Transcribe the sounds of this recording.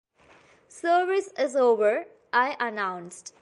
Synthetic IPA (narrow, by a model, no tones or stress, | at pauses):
səːɾʋɪsɪzoːʋəɹ | ʔaɪʔənãʊ̃nsʈ